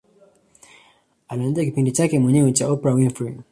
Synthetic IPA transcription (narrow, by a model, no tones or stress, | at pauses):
anaːnziakipindit͡ʃakɛmwɛɲɛwɛt͡ʃaɔpɛɾawinfɾi